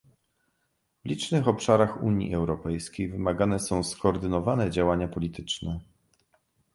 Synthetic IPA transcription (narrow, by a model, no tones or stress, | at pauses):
vlʲit͡ʂnɘxɔpʂaɾaxṵɲjḭɛwɾɔpɛjskʲejvɘmaɡan̪ɛsɔ̃w̃skɔːɾd̪ɘnɔvanɛd͡ʑawaɲapɔlʲit̪ʰɘt͡ʂnɛ